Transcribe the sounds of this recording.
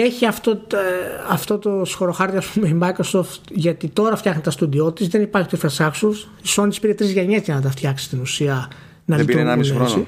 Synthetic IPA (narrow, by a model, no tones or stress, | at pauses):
e̞çiɐft̪o | ɐft̪o̞t̪o̞sxo̞ɾo̞xɐɾt̪iɐspumeimɐjkɾosoft̪ʝɐt̪it̪o̞ɾɐft̪çɐxnit̪ɐst̪uðio̞t̪izðe̞nipɐɾçit̪uefɐsɐksus | isonit̪ispiɾet̪ɾizʝɐɲe̞zʝɐnɐt̪̬ɐft̪çɐksi̥st̪inusiɐ | nɐlionnesi